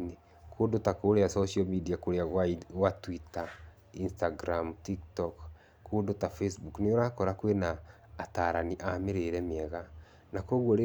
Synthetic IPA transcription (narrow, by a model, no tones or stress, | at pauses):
ne | kʰodotakoɾeasosiomidiakoɾeaɣwaɣwatwita | instaɡɾamtiktɔk | kːoːdotafesbukneoɾakɔɾakwenaː | taːɾaniʔameɾeɾɛmiɛɣa | nakoɣwoɾe